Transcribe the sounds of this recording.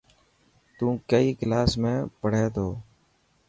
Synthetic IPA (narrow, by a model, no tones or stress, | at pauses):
t̪ũːkəiːɡlaːsmẽːpəɽ̤eːt̪oː